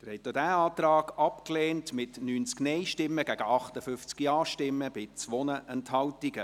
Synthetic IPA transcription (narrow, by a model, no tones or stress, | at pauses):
əɾhɛt̪jod̥æːɑːt̪ɾɑːɡɑpkleːntmɪtnyːnt͡sknɛɪʃtɪmːəɡ̥æɡ̥əʔɑχtəfʏft͡skiɑːʃtɪmːəb̥ɪt͡sʋɔnəʔɛnthɑltiɡə